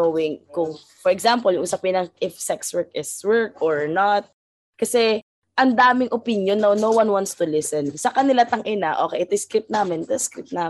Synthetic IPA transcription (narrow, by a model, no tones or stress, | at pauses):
owɪŋkʊŋ | fɔɹɛɡzampoljʊŋʔʊsap̚ɪnɐŋʔɪfsɛkswɛɹkɪswɛɹkɔɹnat̪̚ | kɐsɛ | ʔɐnd̪aːmɪŋʔopinjonːɐnowwɐnwant̪st̪ʊlɪsɛnsɐkɐnɪlat̪ɐŋʔɪnaʔo̰ːkɛjʔɛt̪ojskɾɪp̚t̪̚naːmɪnt̪ojskɾɪp̪̚naː